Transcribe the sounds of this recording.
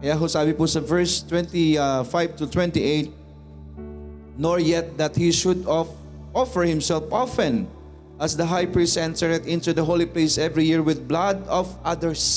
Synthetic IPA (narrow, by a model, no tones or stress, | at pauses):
jaɦosaːbɪpusɐvɛɹst̪wɛ̃nt̪ifajv̚t̪ʊt̪wɛ̃nt̪iʔeɪt̪̚ | nɔɹjɛt̪̚d̪ɐt̪̚hiʃʊd̪ | ʔɔfɛɹhɪ̃msɛlfʔɔfɛ̃n | ʔɐsd̪ɐɦajpɹistɛ̃nt̪ɛɹɛt̪ɪ̃nt̪ud̪ɐɦolipleɪsɛvɹijiɹwɪd̪̚blad̪ɔvʔad̪əɹs